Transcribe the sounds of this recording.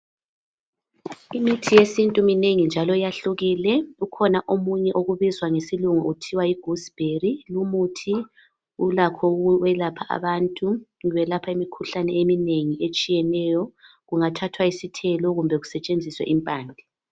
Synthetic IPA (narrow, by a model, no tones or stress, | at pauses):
imitʰijesintʼumineŋind͡ʒʱalɔjaɬuɣilɛukʰɔnaʔomuɲɛʔoɣuβizwaŋesiluŋɔutʰiwaiɡ̥ʱusb̥ʱerilumutʰi | ulakʰɔwɛlapʰaʔa̰βaːntʼu | ŋβɛlapʰaimikʰuɬanɛemineŋiet͡ʃʼijɛnɛjɔ | ɣuŋatʰatʰwaisitʰɛlɔɣumbʱɛɣusɛt͡ʃʼend͡zʱiswɛ̰ʔimpʼaːnd͡ɮʱɛ